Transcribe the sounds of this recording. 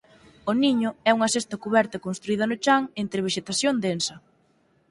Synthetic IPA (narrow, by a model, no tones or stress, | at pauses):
ʊniɲʊɛuŋɐsest̪ɐkuβɛɾt̪ɐkonst̪ɾuið̞ɐnʊt͡ʃaŋent̪ɾɪβ̞eʃet̪aθjond̪ensɐ